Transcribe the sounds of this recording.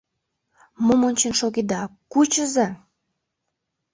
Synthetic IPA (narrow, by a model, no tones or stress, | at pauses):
momonʲt͡ɕənʃoɣed̪ɑkut͡ɕəzɑ